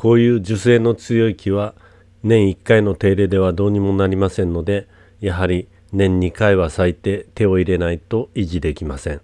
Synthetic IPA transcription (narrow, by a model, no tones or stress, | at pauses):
ko̞ːjɯ̟ːd͡ʑɨse̞ːno̞t͡sɨjo̞ikʲiβa | nẽ̞ɰ̃ikːaino̞t̪e̞ːɾe̞ːd̪e̞β̞ad̪o̞ːɲ̟imo̞naɾʲimasẽ̞nːo̞d̪e̞ | jaɦaɾʲi | nẽ̞ɲ̟ːikaiβasait̪e̞t̪e̞o̞iɾe̞nait̪o̞iʑid̪e̞kʲimasẽ̞ŋ